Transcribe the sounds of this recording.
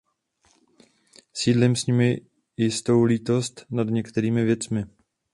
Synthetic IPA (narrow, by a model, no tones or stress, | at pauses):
siːdlɪmsɲɪmɪ | jɪst̪o̞wliːt̪o̞st̪nadɲɛkt̪ɛɾiːmɪvjɛt͡smɪ